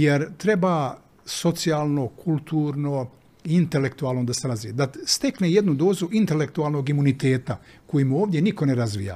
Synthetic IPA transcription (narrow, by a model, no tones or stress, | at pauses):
jeɾt̪ɾe̞ba | so̞t̪sijaːlˠno̞kʰulˠt̪uːɾno | int̪e̞le̞kt̪uaːlˠnod̪aslazid̪ast̪e̞kneje̞d̪nud̪o̞ːzuʔint̪e̞le̞k̚t̪uaːlˠnoɡimunit̪eːt̪a | ko̞jimuoːʋd̪jenikoneɾazʋḭːja̰ː